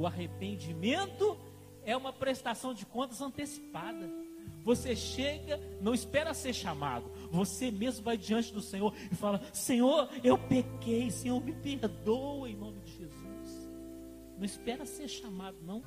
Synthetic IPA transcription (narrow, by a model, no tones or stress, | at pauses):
ʊaɦepẽnd͡ʒimẽnt̪ʊ | ɛũmɐpɾest̪asɐ̃w̃d͡ʒɪkõnt̪ɐzɐ̃nt̪esi̥pad̪ɐ | voseʃeɡɐnɐ̃w̃ispɛɾɐaseɾʃama̰d̪ʊ | vosemezmʊvajd͡ʒiɐ̃nt͡ʃɪd̪ʊsẽɲoɾ | ɪfalɐsẽɲoɾewpekejsẽɲoɾmɪpeɾd̪owẽj̃nõmɪd͡ʒɪʒezus | nɐ̃w̃ispɛɾɐaseɾʃamad̪ʊnɐ̃w̃